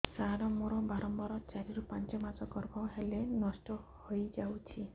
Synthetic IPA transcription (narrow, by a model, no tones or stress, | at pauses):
saɾɔmoɾɔbaɾɔmbɔɾɔt͡ʃaɾiɾupant͡ʃɔmat͡ʃɔkɔɾɡɔɦelenɔsʈɔhojd͡ʒawt͡ʃʰi